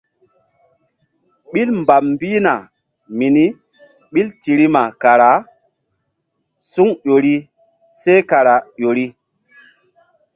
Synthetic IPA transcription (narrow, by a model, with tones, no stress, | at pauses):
ɓi˦lmba˨pmbi˦na˨ | mi˨ni˦ | ɓi˦lti˨ɾi˦ma˨ka˨ɾa˨˦ | su˦ŋjo˨ɾi˦ | se˦ka˨ɾa˨ɗo˨ɾi˦